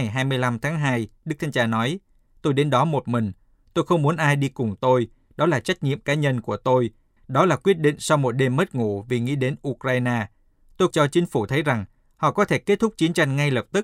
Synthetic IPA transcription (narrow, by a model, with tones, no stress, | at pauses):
jɦaː˧jmɨ˧əjla˧mt̪ʰaː˨˦ŋɦaː˧jɗɨ˦˥k̚t̪ʰːɲt͡ɕaː˧˩nɔ˨˦j | t̪o˧jɗe˨˦nɗɔ˨˦mo˨˩t̚mï˨˩ŋ̟ | t̪o˧jxə˧wŋ͡mmu˨˦ənʔaː˧jɗi˧kʊ˨˩ŋ͡mt̪o˧j | ɗɔ˨˦laː˨˩t͡ɕa˦˥jk̟̚ɲḭ˧˨əmkaː˨˦ɲə˧nku˧˩ət̪o˧j | ɗɔ˨˦laː˨˩kwi˦˥ət̚ɗḭ˧˨ŋ̟sa˧wmo˨˩t̚ɗe˧mːə˦˥t̚ŋṵ˧˨vi˨˩ŋḭ˧˥˨ɗe˨˦nʔu˧kɾaː˧jnaː˧ | t̪o˧jt͡ɕɔ˧t͡ɕï˨˦ŋ̟fu˧˩t̪ʰə˨˦jza˨˩ŋ | hɔ̰˧˨kɔ˨˦t̪ʰe˧˩ke˦˥t̚t̪ʰʊ˦˥k͡p̚t͡ɕi˨˦ənt͡ɕa˧jŋ̟ŋa˧jləː˨˩p̚t̪ɨ˦˥k̚